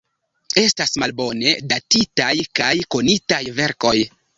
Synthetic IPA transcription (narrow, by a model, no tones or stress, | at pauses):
e̞stasmalbo̞ne̞datitajkajko̞nitajve̞ɾko̞j